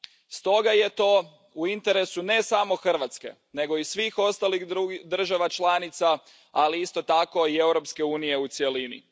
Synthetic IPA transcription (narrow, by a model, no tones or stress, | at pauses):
st̪o̞ɡaje̞t̪o̞ː | uint̪e̞ɾe̞sune̞samo̞xr̩ʋat̪ske̞̰ | ne̞ɡo̞isʋixo̞st̪alixud̪r̩ʒaʋat͡ʃlˠanit̪sa | aliist̪o̞t̪ako̞ie̞wɾopske̞uːnije̞ut̪sje̞linḭ